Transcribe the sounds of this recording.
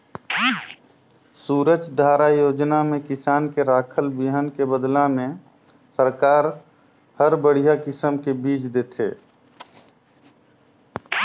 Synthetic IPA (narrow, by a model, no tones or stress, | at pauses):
suːɾəd͡ʒd̪ʱaːɾajoːd͡ʒnamẽkɪsaːnkeɾaːkʰəlbiɦənkebəd̪lamẽ | səɾkaːɾ | həɾbəɽ̤ijakɪsəmkebiːt͡ʃd̪eːt̪ʰḛː